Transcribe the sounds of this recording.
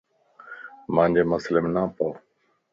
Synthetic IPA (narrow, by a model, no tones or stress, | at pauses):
mãːnd͡ʑeːməslɪmnãːpoː